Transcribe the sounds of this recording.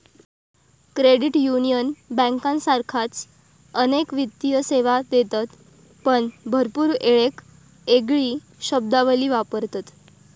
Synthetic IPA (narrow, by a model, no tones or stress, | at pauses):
kɾeɽiʈjunijənbə̃ŋkãnsaɾkʰat͡s | ənekʋit̪ːijəseʋad̪et̪at̪ | pəɳbʱəɾpuːɾeɭek | eɡɭiː | ɕəb̚d̪aʋəliːʋapəɾt̪at̪